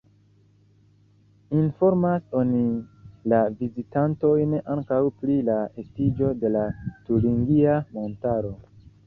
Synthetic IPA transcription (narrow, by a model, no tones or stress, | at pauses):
info̞ɾmaso̞nilavizitanto̞jneʔaŋkawpɾilae̞stid͡ʒo̞de̞latuɾiŋɡiamo̞ntaɾo̞